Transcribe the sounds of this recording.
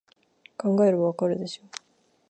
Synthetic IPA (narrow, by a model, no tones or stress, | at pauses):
kaŋɡaeɾɯbakaɾɯd̪eɕo